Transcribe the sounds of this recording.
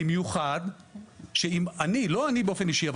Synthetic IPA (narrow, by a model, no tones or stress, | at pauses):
imjuχad̪ | ʃeimanilo̞anibeofeniʃiav